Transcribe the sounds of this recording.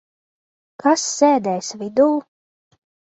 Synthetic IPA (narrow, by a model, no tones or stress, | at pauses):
kasːeːd̪ɛjsvid̪uː